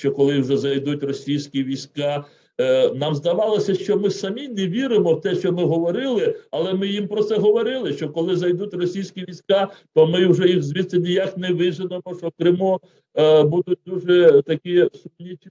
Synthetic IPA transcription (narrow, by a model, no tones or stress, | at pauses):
ʃt͡ʃɔkɔlˠɪwʒɛzɐjd̪utʲrɔsʲijsʲkʲiʋʲijsʲkɑ | nɑmzd̪ɐʋɑlˠɔsʲɐʃt͡ʃɔmɪsɐmʲinɛʋʲiɾɪmɔwt̪ɛʃt͡ʃɔmɪɦɔʋɔɾɪlˠɪɐlˠɛmɪjimpɾɔt̪sɛɦɔʋɔɾɪlˠɪʃt͡ʃɔkɔlˠɪzɐjd̪utʲrɔsʲijsʲkʲiʋʲijsʲkɑt̪ɔmɪwʒɛjiwzʲʋʲit̪sʲɪnʲijaknɛʋɪzɪnɐmɔʃt͡ʃɔkɾɪmu | bud̪ʊt̚ʲd̪uʒɛt̪ɐkʲisʊmnʲit͡ʃ